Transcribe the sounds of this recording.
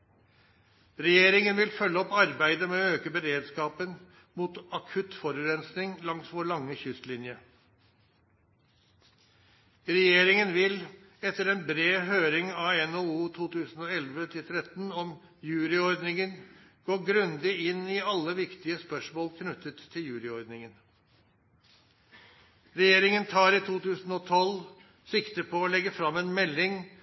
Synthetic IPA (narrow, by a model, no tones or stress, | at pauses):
ɾɛjeːɾɪŋənʋɪlfœlːəɔpːɑɾbæɪd̪əmɛɔøːkəbəɾeːd̪skɑːpən | muːt̪ɑkʰʉt̪fɔɾʉːɾɛnsnɪŋlɑŋsʋɔɭɑŋːəçʏst̪lɪnjə | ɾɛjeːɾɪŋənʋɪl | ɛt̪ːəɾɛːnbɾeːɦøːɾɪŋɑɛnouːt̪ʰuːt̪ʉːsn̩oːɛlʋət̪ʰɪlt̪ʰɾɛt̪nɔm | jʉːɾɪɔɾd̪nɪŋənɡ̥oːɡɾʉnd̪ɪɪnːɪɑlːəʋɪkt̪ɪəspœʂmoːlkʰnʉt̪ət̪ʰːɪljʉːɾɪɔɾd̪nɪŋən | ɾɛjeːɾɪŋənt̪ʰɑːɾiːt̪ʰuːt̪ʉːsn̩ɔːt̪ʰɔl | sɪkt̪əpʰɔɔlɛɡəfɾɑmːeːnmɛlːɪŋ